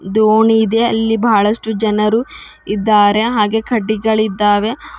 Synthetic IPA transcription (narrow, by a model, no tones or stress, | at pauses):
d̪oːɳiːd̪e̞ɐlːibɐːɭɐʂʈud͡ʒɐnɐɾu | id̪ːaːɾe̞ɦaːɡe̞ːkʰɐɖːiɡɐɭid̪ːaːʋe̞